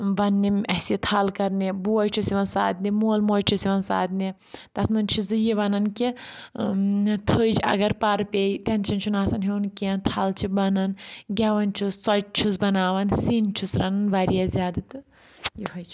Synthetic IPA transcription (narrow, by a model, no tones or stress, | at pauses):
ʋɐnːimɐsit̪ʰalkɐɾniboːjt͡ʃʰusiʋɐnsa̰ːd̪nimoːlmoːjt͡ʃʰusiʋɐnsa̰ːd̪ni | t̪ɐsʰmɐnʲt͡ʃʰizɨjiʋɐnɐnki | t̪ʰəːjd͡ʒɐ̰ɡɐɾpɐɾpʲeit̪ent͡ʃʰɐnt͡ʃʰunaːsɐnɦenkiɐnt̪ʰaːlt͡ʃʰibɐnɐnɡʲɐʋɐnt͡ʃʰusɔt͡ʃt͡ʃʰus̬bɐnaːʋɐnsint͡ʃʰusɾɐnɐnʋɐɾijazʲjaːd̪ɨt̪ɨ | jiɦɐjt͡ʃʰi